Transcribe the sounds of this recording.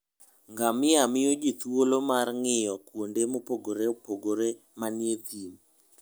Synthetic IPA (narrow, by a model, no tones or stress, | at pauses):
ŋɡamɪamɪod͡ʒit̪wolomarŋɪjɔkwondemopoɡoɾepoɡoɾe | manjet̪im